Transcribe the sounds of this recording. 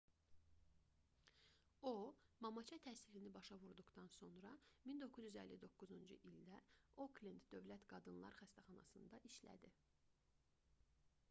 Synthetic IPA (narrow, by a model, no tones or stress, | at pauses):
omɑmɑt͡ʃʰɑt̪ʰæsilinibɑʃɑvuɾd̪uɣt̪ɑnso̞nɾɑmind̪o̞kʰuzyzælːid̪o̞kːuzund͡ʒuʔild̪æoklind̪d̪ø̞vlæt̪ɡ̥ɑd̪ɯnlˠɑ̰ɾxæst̪ʰæχɑnɑ̰sɯnd̪ɑʔiʃlæ̰d̪i